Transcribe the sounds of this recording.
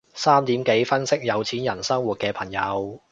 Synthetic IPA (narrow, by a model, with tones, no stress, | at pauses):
saː˥mt̪iː˨˥mke˨˥jfɐ˥nsɪ˥k̚jɐ˨˧wt͡sʰiː˨˥njɐ˨˩nsɐ˥ŋwu˨t̚kɛː˧pʰɐ˨˩ŋjɐ˨˧w